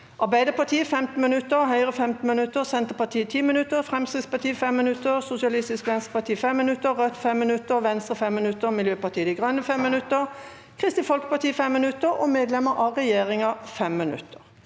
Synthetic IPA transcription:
ʔɑʁbæɪd̪əpɑt̪ʰiːəfɛmt̪n̩mɪnʉt̪ːəʁɦœʏʁəfɛmt̪n̩mɪnʉt̪ːəʁsɛnt̪əpɑt̪ʰiːət̪ʰiːmɪnʉt̪ːəʁfʁɛmst̪ʁɪspɑt̪ʰiːfɛmːɪnʉt̪ːəʁsʊsɪɑlɪst̪ɪskʋɛnst̪əpɑt̪ʰiːfɛmːɪnʉt̪ːəʁœt̪fɛmːɪnʉt̪ːəʁʋɛnst̪ʁəfɛmːɪnʉt̪ːəʁmɪljøːpɑt̪iːəd̪ɪɡʁœnːəfɛmːɪnʉt̪əʁ | kʰʁɪst̪ɪfɔlkə̥pɑʁt̪ʰiːfɛmːɪnʉt̪ːəʁo̰ːmeːd̪lɛmːəʁʔɑːʁɛjeːʁɪŋɑfɛmːɪnʉ̰t̪ʰːə̥ʁ

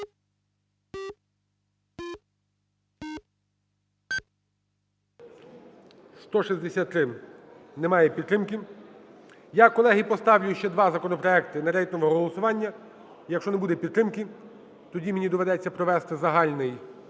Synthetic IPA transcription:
st̪ɔʃizʲd̪esʲat̪ːɾɪnɛmɑjɛpʲid̪̚ɾɪmkɪ | jakɔlˠɛɦipɔst̪ɑwlʲʊjʊʃt͡ʃɛd̪ʋɑzɐkɔnɔpɾɔɛkt̪ɪnɐɾɛjt̪nɔʋɔɦɦɔlˠɔsʊʋɑnʲːɐ | jɐkʃt͡ʃɔnɛbud̪ɛpʲid̪t̪ːɾɪmkɪ | t̪ɔdʲimenʲid̪ɔʋed̪ɛt͡sʲːɐpɾɔʋɛst̪ɪzɐɦɑlʲnɪj

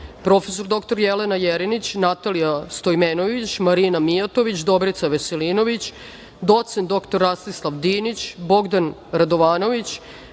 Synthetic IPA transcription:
pɾo̞feso̞ɾd̪o̞kt̪o̞ɾjelenajeɾinit͡ɕnat̪alijast̪ojmeːnoʋit͡ɕmaɾinamijat̪oʋit͡ɕd̪o̞bɾit̪saʋeseliːno̞ʋit͡ɕ | d̪o̞t̪snd̪o̞kt̪oɾːast̪islˠaʋd̪iːnit͡ɕbo̞ɡd̪anɾad̪o̞ʋaːno̞ʋit͡ɕ

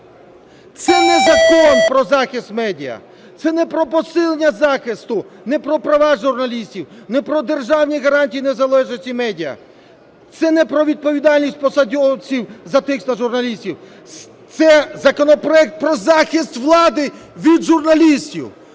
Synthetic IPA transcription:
t̪sɛnɛzɐkɔnpɾɔzɑxɪst̪mɛdʲiɐ̰ | t̪sɛnɛpɾɔpɔsɪlˠenʲːɐzɑxɪst̪ʊnɛpɾɔpɾɐʋɑʒʊrnɐlʲisʲtʲiwnɛpɾɔd̪erʒɑwnʲiɣɐɾɑnʲtʲijinɛzɐlˠɛʒet͡sʲimɛdʲijɐ̰ | t̪sɛnɛpɾɔʋʲid̪̚pɔʋʲid̪ɑlʲnʲisʲt̚ʲpɔsɐdʲɔwt͡sʲiwzɐt̪ɪkstnɐʒuɾnɐlʲisʲtʲiw | t̪sɛzɐkɔnɔpɾɔɛk̚t̪̚pɾɔzɑxɪst̪ʋlˠɑd̪ɪʋʲid̪ʒurnɐlʲisʲtʲḭw

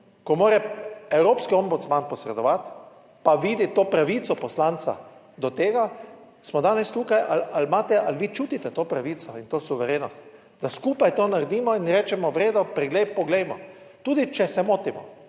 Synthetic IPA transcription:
kɔmoːɾɛɛwɾoːpskiɔmbut̪smanpɔsɾɛd̪ɔʋat̪ | paʋiːd̪it̪oːpɾaʋiːt̪sɔpɔslant̪sa̰ | d̪ɔt̪eːɡa | smɔd̪aːnɛst̪uːkajʔalalmaːt̪ɛʔalʋiːt͡ʃuːt̪it̪ɛt̪oːpɾaʋiːt̪sɔint̪oːsuʋɛɾeːnɔst̪ | d̪askuːpajt̪oːnaɾɛd̪iːmɔinɾɛːt͡ʃɛmɔʋɾeːd̪ɔpɾɛɡlejpɔɡlɛjmɔ | t̪uːd̪it͡ʃɛsɛmoːt̪imɔ̰

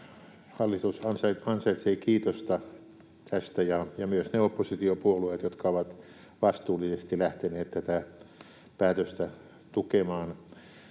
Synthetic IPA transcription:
hɑlːit̪usɑnsɑɑnsɑit̪seikiːt̪ost̪ɑ | t̪ʰæst̪æjɑjɑmyøsneopːosit̪iopuoluet̪jot̪kɑoʋɑt̪ | ʋɑst̪uːlisest̪ilæht̪eneːt̪t̪æt̪æ | pæːt̪øst̪æ | t̪ukemɑːn

